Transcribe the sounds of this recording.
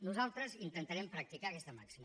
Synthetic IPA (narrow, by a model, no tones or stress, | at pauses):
nuzalˠt̪ɾəzint̪ənt̪aɾɛmpɾək̚t̪ikaːkɛst̪əma̰ksim